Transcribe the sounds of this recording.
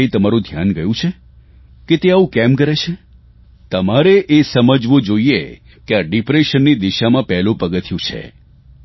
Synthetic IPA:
it̪əmaɾũd̪ʱjanɡəjũt͡ʃʰe | ket̪eaʋũkɛmkəɾet͡ʃʰe | t̪əmaɾeʔesəməd͡ʒʋõd͡ʒoie | keaɖipɾeʃənːid̪iʃamãpɛɦlũpəɡət̪ʰjũt͡ʃʰḛ

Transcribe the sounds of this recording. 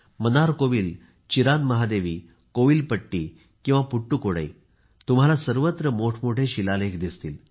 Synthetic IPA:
mənaɾkoʋiːl | t͡ɕiɾanməɦad̪eʋiː | koʋiːlpəʈːiː | kĩw̃ʋapuʈːukoɽə̰j | t̪um̤alasəɾʋət̪ɾəmoʈʰmoʈʰeɕilalekd̪ist̪iːl

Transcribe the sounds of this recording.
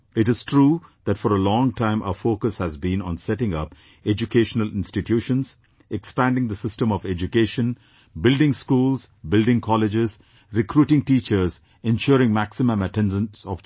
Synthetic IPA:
ɪʈɪz̥tʰɾuːd̪̥æʈfɔɾəlɔ̃ːŋʈãɪ̃mʔa̰ʊəfoːkəshæzbĩnɔ̰̃nsɛʈɪ̃ŋʌp | ɛd͡ʒukeːʃənəlɪ̃nsʈɪʈʰjuːʃə̃nz | ɛkspæ̃nɖɪ̃ŋd̪əsɪstə̃mɔʋɛd͡ʒukeːʃə̃n | bɪlɖɪ̃ŋskuːlz̥bɪlɖɪ̃ŋkʰɔlɪd͡ʒɪz | ɾɪkʰɾuːʈɪ̃ŋʈiːt͡ʃəɾz | ɛ̃nʃɔːɾɪ̃ŋmæksɪmə̃məʈɛ̃nɖə̃nsɔʋ

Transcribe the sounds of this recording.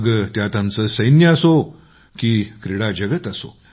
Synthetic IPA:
ɡt̪jat̪amt͡səsəjnjəəso | kiːkɾiɽad͡ʑəɡət̪əso̰

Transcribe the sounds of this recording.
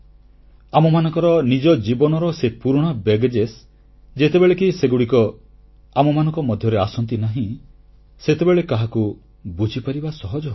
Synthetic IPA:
amɔmanɔŋkɔɾɔnid͡ʒɔd͡ʒibɔnɔɾɔsepuɾɽ̃ɔbeɡd͡ʒes | d͡ʒet̪ebeɭekiseɡuɽikɔ | amɔmanɔ̃ŋkɔmɔd̪ʱjɔɾeasɔnt̪̬inaɦĩ | set̪ebeɭekaɦaku | bud͡ʒʱipaɾibasɔɦɔd͡ʒɔ

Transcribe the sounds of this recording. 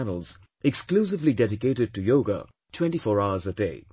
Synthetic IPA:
nəl̩ˠz̥ | ɛkskluːs̬ɪvlidɛɾɪkeɪɾɪd̚tujoʊɡə̰ | tʰw̥ɛ̃ntifɔːɹaʊəzədeɪ

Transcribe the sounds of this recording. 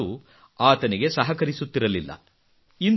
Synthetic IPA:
u | aːt̪ɐniɡe̞sɐɦɐkɐɾisut̪ːiɾɐlilːɐ̰ | in

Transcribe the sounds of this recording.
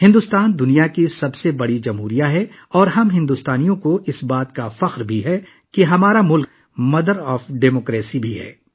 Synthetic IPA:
hɪ̃nd̪ʊst̪aːnd̪ʊnijakisɐbsebɐɽid͡ʒɐmɦuːɾijaɦɛ | ɔːɾɦɐmɦɪ̃nd̪ust̪aːnijõkoʔɪsbaːt̪kafɐqɾbʱiɦɛ | keɦɐmaːɾamʊlk̚ | mɐd̪əɾɔːfɖeːmoːkɾeːsibʱiɦɛ̰ː

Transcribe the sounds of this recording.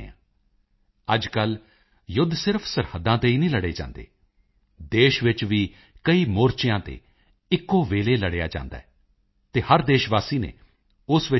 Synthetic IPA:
ã̰ː | əd͡ʒkəl | jʊd̪ʱsɪɾpʰsəɾhəd̪ːãːt̪eːiːnĩːləɽḛːd͡ʒã̰ːnd̪ḛː | d̪eːʃʋɪt͡ʃʋiː | kəiːmoːɾt͡ʃɪjãːt̪ḛː | ɪkːoːʋeːleːləɽeːa̰ːd͡ʒã̰ːnd̪a̰ː | t̪eːhəɾd̪eːʃʋaːsiːnḛː | ʊsʋɪ

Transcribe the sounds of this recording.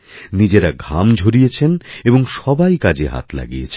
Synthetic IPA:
nid͡ʑeɾaɡʱamd͡ʑʱoɾijet͡ɕʰeneboŋʃɔbajkad͡ʑeɦa̰t̪la̰ɡijet͡ɕʰe

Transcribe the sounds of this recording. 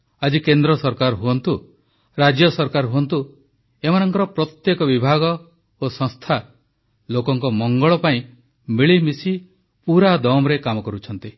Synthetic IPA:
ad͡ʒikend̪ɾɔsɔɾkaɾɦuɔnt̪u | ɾad͡ʒjɔsɔɾkaɾɦuɔnt̪u | emanɔŋkɔɾɔpɾɔt̪jekɔbibʱaɡɔ | osɔ̃ŋst̪ʰa | lokɔŋkɔmɔŋɡɔɭɔpaĩ | miɭimisi | puɾad̪ɔmɾekamɔkɔɾut͡ʃʰɔnt̪i

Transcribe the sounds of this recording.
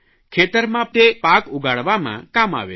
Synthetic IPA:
kʰet̪əɾmãp̚t̪epakuɡaɭʋamã̰kama̰ʋḛ

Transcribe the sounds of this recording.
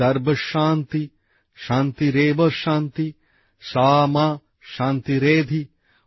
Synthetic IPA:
ɐɾbɐʃaːnt̪i | ʃaːnt̪iɾeːʋɐʃaːnt̪i | ʃaːmaː | ʃaːnt̪iɾeːd̪ʱi

